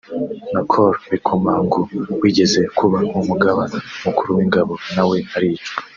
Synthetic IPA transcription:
nakʰoɾβikʰomaːŋɡowiːɟe̞ze̞kuβamumuɡaβanaumukuɾuwiŋɡaβo̞nawe̞aɾit͡ʃo̥

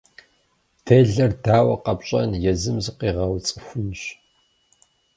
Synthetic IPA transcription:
tʰeːɮɐrdaːwɐqɐpɕʼɐ̰njɛzɨmzɨqiːʁɐwt͡sʼɨxʷʊnɕ

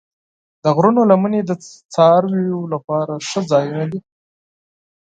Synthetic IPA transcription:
d̪̥əɣɾunolaməned̪ət͡sɑɾwijolapɑɾaʂəd͡zɑjunad̪i

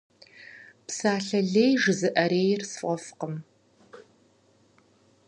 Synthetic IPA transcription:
psaːɬɐɮeːjʐɨzɨʔɐɾeːjrsfʷʼɔfqəm

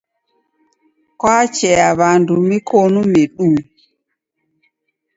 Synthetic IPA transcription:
kwɔat͡ʃɛaβandumikonumeɗu

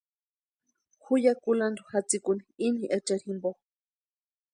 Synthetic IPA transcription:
xujakuland̪uxat͡sikuniiniʔat͡ʃaɾhimbox

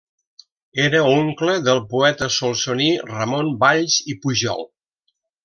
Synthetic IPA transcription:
eɾəoŋkləðəlˠpuɛt̪əsolˠsonirəmonbaʎzipuʒɔ̰lˠ

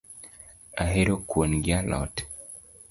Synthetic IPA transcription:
aɦeɾokwonɡjalɔ̰t

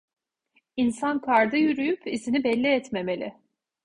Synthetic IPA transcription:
insankʰaɾd̪ɯjyɾyjypizinibɛlʲːiɛt̪me̞me̞lʲɪ̰

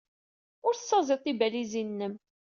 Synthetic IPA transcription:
ʊɾθsːɑzˤet̪ˤːibælizinːəm

